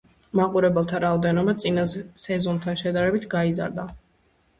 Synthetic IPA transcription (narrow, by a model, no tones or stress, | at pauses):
maqʼuɾɛbɛlˠt̪ʰaɾaɔd̪ɛnɔbat̪sʼinazsɛzɔnt̪ʰanʃɛd̪aɾɛbit̪ʰɡaiza̰ɾd̪a